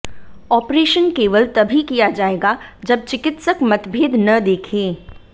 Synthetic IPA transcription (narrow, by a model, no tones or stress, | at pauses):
ɔːpɾeːʃənkeːʋəlt̪ɐbʱikijad͡ʒaːeːɡad͡ʒɐb̚t͡ʃɪkɪt̪səkmɐt̪bʱeːd̪nɐd̪eːkʰẽː